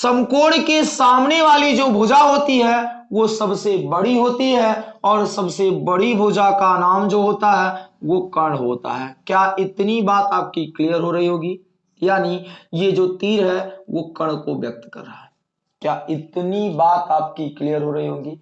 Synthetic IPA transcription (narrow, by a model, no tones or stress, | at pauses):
sɐmkoːɽkesaːmneʋaːlid͡ʒoːbʱoːd͡ʒaɦoːt̪iɦɛ | ʋosɐbsebɐɽiɦoːt̪iɦɛɔːɾsɐbsebɐɽibʱoːd͡ʒakanaːmd͡ʒoːɦoːt̪aɦɛʋokɐɽ̃ɦoːt̪a̰ɦɛːkjaːʔɪt̪nibaːt̪aːp̚kikliːjəɾɦoɾɐɦiɦoːɡiː | jaːnijed͡ʒoːt̪iːɾɦɛʋokɐɽ̃koʋjɐk̚t̪kɐ̰ɾːəaɦɛː | kjaːɪt̪nibaːt̪aːp̚kikliːjəɾɦoɾɐɦiɦoːɡiː